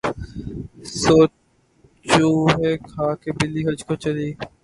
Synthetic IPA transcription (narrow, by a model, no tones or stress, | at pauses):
soː | t͡ʃuːɦeːkʰaːkebɪliːɦəd͡ʒkot͡ʃəliː